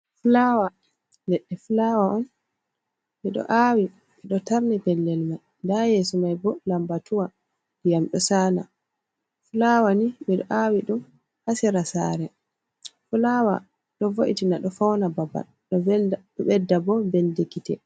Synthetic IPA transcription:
fulawa | lɛɗːɛfulawaʔɔn | miɗɔ̰ʔawi | miɗɔtaɾnɛbɛlːɛlmaj | ndajɛsɔmajbɔlambatuwa | jamɗɔsaːla̰ | fulawanimiɗɔ̰ʔawiɗum | hasiɾasa̰ːɾɛ | fulawa̰ | ɗɔvoʔitinaɗɔfawnababa̰l | ɗɔɗɔɓɛdːabɔbɛldekitɛ

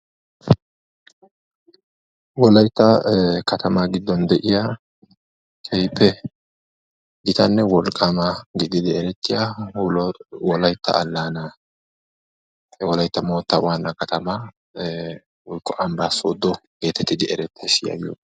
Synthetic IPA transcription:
wɔlɐjt̪ːɐkɐt̪ʰɐmaɡɪd̪ːɔnd̪ɛʔɪja | kʰɛjpʰːɛ | ɡɪt̪ɐnːɛwɔlkʼːɐmɐɡɪd̪ɪd̪ɪɛɾɛt̪ːɪja | wɔlɐjt̪ːɐ̰ʔːlːaːnɐ | wɔlɐjt̪ːɐmoːt̪ːɐwaːnːɐkɐt̪ɐma | wɔjkːɔʔɐmbaːsoːd̪ːɔɡ̥e̞ːt̪ɛt̪ːɪd̪ɪʔɛɾɛt̪ːɐsɪjɐ̰jo̰

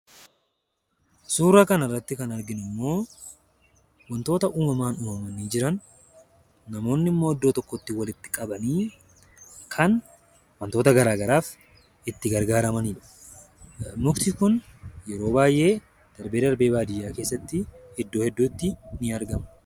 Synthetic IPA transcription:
suːɾaːkɐnɐrːɐt̪ːɪkɐnɐɾɡɪnʊmːo̞ː | wɐnt̪o̞ːt̪ɐʔuːmɐmaːnuːmɐmɐniːd͡ʒɪɾɐnː | ɐmo̞ːnːɪmːo̞ːɔd̪ːoːt̪ɔkːɔt̪ːɪwɐlɪt̪ːɪ̥kʼɐbɐniː | kʰɐn | wɐnt̪o̞ːt̪ɐɡɐɾaːɡɐɾaːf | ɪt̪ːɪɡɐɾɡaːɾɐmɐniːᶑɐ | mʊkt̪ɪkʊnjɛɾo̞ːbaːjʔe̞ː | d̪̥ɐɾbe̞ːd̪ɐɾbe̞ːbaːd̪ɪjːaːke̞ːsːɐt̪ːɪhɛd̪ːoːhɛd̪ːuːt̪ːɪnɪɐɾɡɐmɐ̥

